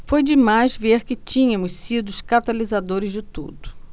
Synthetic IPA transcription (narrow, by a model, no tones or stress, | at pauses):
fojd͡ʒɪmajzveɾkɪt͡ʃĩɲɐ̃mʊssid̪ʊʃkat̪alizad̪oɾɪzd͡ʒɪt̪ṵd̪ʊ̥